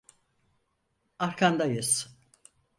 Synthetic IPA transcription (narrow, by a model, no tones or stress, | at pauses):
aɾkʰand̪ajɯs